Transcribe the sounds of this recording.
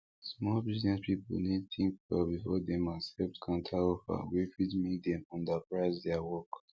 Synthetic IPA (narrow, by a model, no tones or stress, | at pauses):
smɔlbiznɛspip̩nidθĩŋkɛbifɔdɛmasɛftkʰãntʰaofa̰wifidmik̚d̪ɛ̃mɔ̃ndapɹaɪzdɛawɔk